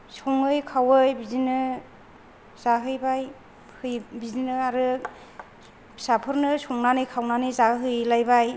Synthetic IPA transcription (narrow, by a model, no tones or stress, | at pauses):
sɔŋɯjkʰawɯjbizinɯ | zaɦɯjbaj | hɯjbizinɯaɾɯ | sapʰɯɾnɯsɔŋnanɯjkʰawnanɯjzaɦɯjlajbaj